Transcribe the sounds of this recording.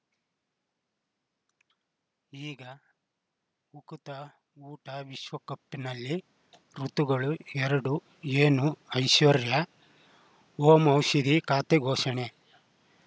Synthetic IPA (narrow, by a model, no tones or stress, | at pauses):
iːɡɐ | ukut̪ɐ | uːʈɐʋiʃʋɐkɐpːinɐlːi | ɾut̪uɡɐɭuɛɾɐɽu | eːnuɐjʃʋɐɾjɐ | oːmɐwʃid̪ikaːt̪eɡʱoːʃɐɳe